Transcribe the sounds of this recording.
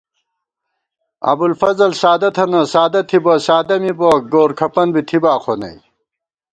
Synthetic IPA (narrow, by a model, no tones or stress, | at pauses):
ɐ̰bulfɐzɐlsaːd̪ɐt̪ʰɐnɐsaːd̪ɐt̪ʰibɐsaːd̪ɐmiboɡoːɾkʰɐpɐnbit̪ʰibaːqʰonɐ̰j